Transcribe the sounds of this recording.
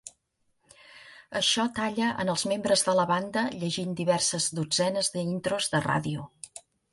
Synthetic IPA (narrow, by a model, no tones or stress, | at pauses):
əʃɔt̪aʎəʔə̰nəlˠzmembɾəzðələβand̪əʎəʒind̪iβɛrsəzðud͡zɛnəzðəint̪ɾozðəra̰ðiu